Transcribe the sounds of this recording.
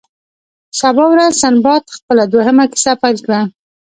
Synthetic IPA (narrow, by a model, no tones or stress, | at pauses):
ʃabɑwɾazsanbɑt̪xpəlad̪oɦəmaki̥sapaɾkɽa